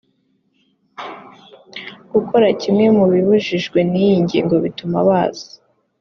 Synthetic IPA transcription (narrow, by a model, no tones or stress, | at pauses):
ɡ̥uko̞ɾacimŋe̞muβiβuʒiʒɡwe̞nijiɲɟḭːŋɡo̞βituma̰βaːz̥ḁ